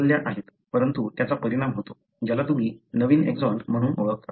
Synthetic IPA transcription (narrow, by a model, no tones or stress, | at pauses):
lːjataɦet̪pəɾənt̪ut̪jat͡sapəɾiɽ̃amɦot̪o | d͡ʑalat̪um̤iːnəʋiːnḛkd͡zɔnm̤əɽ̃uːnʔoɭək̚t̪a̰